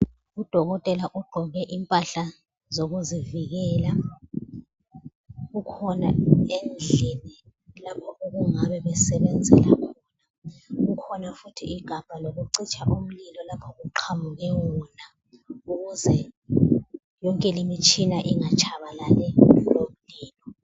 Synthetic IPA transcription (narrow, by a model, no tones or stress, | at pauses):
ud̥ʱɔɣ̬ɔtʼɛlaʔuɡ͡ǃʱɔk̬ɛʔimpʼaɬa | zok̬uziviɣ̬ɛla | ukʰɔna̰end͡ɮʱɛnɛ | lapʰɔʔok̬uŋaɓɛɓɛsɛɓɛnd͡zʱɛ̰la̰kʰɔɔːna | k̬ukʰɔnafutʰiʔiɡ̥ʱab̥ʱalok̬uǀit͡ʃʰaʔum̩lilɔlapʰɔʔuǃʰamuɣ̬ɛwuna | ukuzɛ | jɔŋkʼɛlimit͡ʃʰinaʔiŋat͡ʃʰaɓalalɛulom̩niːlɔ